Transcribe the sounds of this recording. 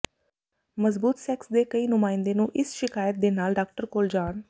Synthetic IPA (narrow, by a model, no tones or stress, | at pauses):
məzbuːt̪sɛːksd̪eːkəiːnʊmãːɪnd̪eːnũːʔɪsʃɪkaːjət̪̚d̪eːnaːlɖaːk̚ʈəɾkoːld͡ʒaːn